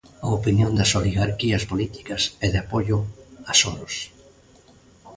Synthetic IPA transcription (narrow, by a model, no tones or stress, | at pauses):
ɐopinjond̪ɐsoliɣaɾkiɐspolit̪i̥kɐsɛðɪapoʎʊasonos